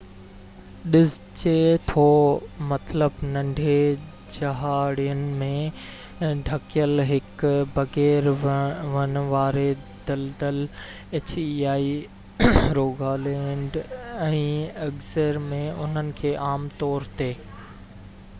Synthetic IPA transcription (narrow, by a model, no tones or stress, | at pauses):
ɗɪzt͡ɕet̪ʰoːmɐt̪ləbnɐ̃ɳɖʱe | d͡ʑɐɦaːɽiənɪ̆mẽ | ɖʱɐkjəlɦɪkbɐɣeːɾʋɐnʋaːɾe | d̪̥ɐld̪əl | eːt͡ɕiaːi | ɾoːɡʱaːlẽːɳɖɛ̃ːɐɡzəɾmẽʊ̰n̤ənɪ̆kʰeːʔaːmt̪ɔːɾt̪eː